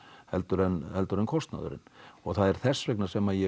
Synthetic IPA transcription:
hɛlt̪ʏɾɛnɛlt̪ʏɾɛnkʰɔst̪na̰ðʏ̰ɾɪ̰nɔɣθaðɛɾ̥θɛsːvɛknasɛmajɛ

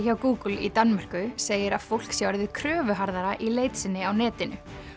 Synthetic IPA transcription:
çawkuːkʏlḭt̪anmar̥kʏseːjɪɾaðfowl̥ksjawɾðɪðkʰɾœːvʏɦaɾðaɾaʔileːjt̪sɪnːɪawnɛːt̪ɪnʏ̰

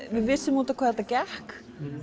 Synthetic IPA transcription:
vɪðvɪsːɪmuːt̪akʰvaːðɛt̪acɛhk

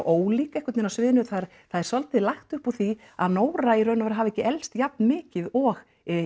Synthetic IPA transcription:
ʔoːwliːkaɛhkʏt̪nɪnasvɪːðɪnʏθaðɾ | θaðɛɾ̥sɔlt̪ɪlaxt̪ʏhpɔθi | a̰ðnoːwɾaiɾœɥnʏavaɾɦaːvɛcːɪʔɛlst̪jap̚nmɪːcɪðɔɣ

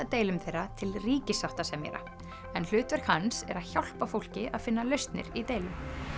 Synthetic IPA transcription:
at̪eːjlʏmθejrːat̪ʰɪlriːcɪsawht̪asɛmjɛ̰ɾa̰ | ɛnl̥ʏːt̪vɛɾ̥khansɛ̰ɾaðçawl̥pafowl̥cɪʔaðfɪnːalœɥst̪nɪ̰ɾit̪eːjlʏm

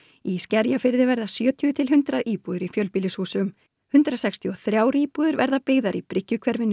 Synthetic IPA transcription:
iscɛɾjafɪɾðɪvɛɾðasjœːt̪ʰijʏt̪ʰɪlɦʏnt̪ɾaðiːpuðʏɾifjœlpiːlɪshuːsʏm | hʏnt̪ɾasɛkst̪ʰjiɔθɾjaːwɾiːpuːðʏɾvɛɾðapɪɣðaɾipɾɪcːʏkʰvɛɾvɪnː

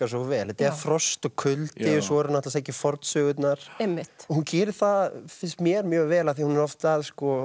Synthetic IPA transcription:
kas̬ɔvɛːlɛt̪ɛfɾɔst̪ɔkʰʏlt̪ɪsɔɛɾnaht̪lasehcɪfɔɾt̪sœːɣʏt̪naɾ̥emːɪhtɔhuncɪːɾɪθafɪnst̪mjɛɾmjœːɣvɛːlaθihunɛɾɔft̪ːaðskɔ

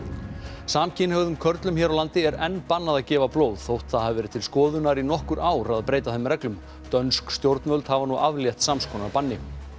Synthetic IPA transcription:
saːmcʰɪnhœɣðʏmkʰœɾt̪lʏmçɛːɾawlant̪ɪɛɾɛnːpanːaðacɛːvaploːwðθowht̪θaðhavvɛːɾɪ̥t̪ʰɪlskɔːðʏnaɾinɔhkʏɾaːwɾaðpɾeːjt̪aθɛmːɾrɛklʏm | t̪œnskst̪jowɾt̪nmœlt̪havanuʔavljɛht̪samskʰɔːnapanːɪ

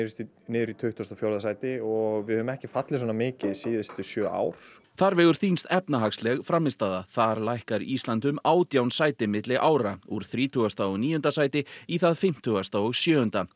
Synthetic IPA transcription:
ɾst̪ | nɪːðʏɾit̪ʰʏht̪ast̪afjɔwɾðasaːjt̪ɪɔɣvɪðhœːvʏmɛhcɪfat̪lɪs̬wɔnamɪːcɪðsiːðɪst̪ʏsjœːa̰ːwɾ̥ | θaɾvɛːɣʏɾ̥θinst̪ɛpnaɦakslɛɣfɾamːɪst̪aːðaθaɾlajhkaɾisant̪ʏmaːwt̪jawnsaːjt̪ɪmɪt̪lɪʔaːwɾauɾ̥θɾiːt̪ʰʏɣast̪aɔɣniːjʏnt̪asaːjt̪ɪiθaðfɪm̥t̪ʰʏɣast̪aɔɣsjœːhʏnt̪a

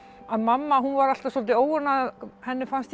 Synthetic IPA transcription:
aðmamːaɦunvaɾal̥t̪asɔlt̪ɪoːwaɾnaðahɛnːɪfanst̪

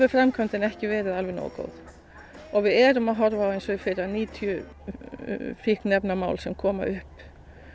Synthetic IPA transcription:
vʏfɾamkʰœnt̪ɪnɛhcɪvɛːɾɪðalvɪno̰wko̰ːwð | ɔɣvɪðɛɾʏmaðɦɔɾvaːwejnsɔfɪɾaniːt̪ʰjʏ | fihknɛpnamaːwlsɛmkʰɔːma̰ʔʏhp

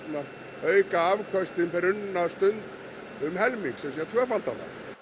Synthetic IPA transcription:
na | œɥkaavkʰœst̪ɪnpɛɾʏnːast̪ʏnt̪ | ʏmɦɛlmiŋksɛmsjɛt̪ʰvœːfalt̪ana̰

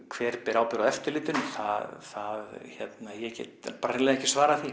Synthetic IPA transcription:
kʰvɛːɾ̥pɛɾaːwpɪɾaðɛft̪ʏɾliːt̪ʏnɪθaðθaðçɛt̪najɛcɛ̰t̪paːɾaɛlɛðɛhcɪsvaːɾaθi

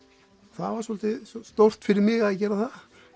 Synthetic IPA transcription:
θavaɾsɔlt̪ɪsst̪owr̥t̪fɪɾɪɾmɪɣaðcɛːɾaθað

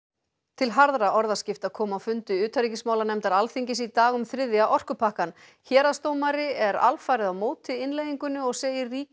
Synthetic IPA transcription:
t̪ʰɪlɦaɾðɾaʔɔɾðascɪft̪aðkʰɔːmawfʏnt̪ʏʏːt̪ʰaɾicɪsmaːwlanɛmt̪aɾalθiɲcɪsit̪aːɣʏmθɾɪðjaʔɔr̥kʏpʰahkan | çɛːɾast̪oːwmaɾɪɛɾa̰lfaːjɾɪðawmoːwt̪ɪɪnlejðiŋkʏnːʏɔɣseːjɪrriː

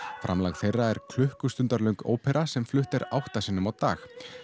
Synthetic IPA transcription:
fɾa̰mlaɣθejrːaɛɾ̥kʰlʏhkʏst̪ʏnt̪aɾlœɥŋko̰ːwpɛɾʔasɛmflʏht̪ɛɾa̰wht̪asɪnːʏmawt̪a̰ːx

